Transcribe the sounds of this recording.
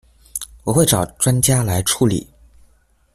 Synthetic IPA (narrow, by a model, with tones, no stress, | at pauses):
wɔ˨˩xwe˥˩ɪʈ͡ʂɑ˨˩ʊʈ͡ʂwa˥nt͡ɕja˥la˧˥ɪʈ͡ʂʰu˧˥lḭ˨˩˦